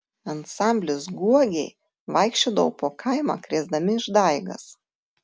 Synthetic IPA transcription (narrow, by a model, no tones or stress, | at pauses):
ɐnsɑˑmʲbʲlʲʊsɡuɔɡʲɛɪ | ʋɐɪkʃʲt͡ʃʲoːd̪ɐʋɐʊpoːkʰɐˑɪmɑ̰ːkɾʲeːzd̪ɐmʲɪɪʒd̪ɐɪɡɐ̰s